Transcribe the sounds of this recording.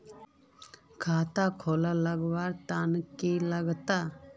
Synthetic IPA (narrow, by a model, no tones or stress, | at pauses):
kʰaːt̪akʰoːlaləɡʋaːɾt̪ankeləɡt̪aː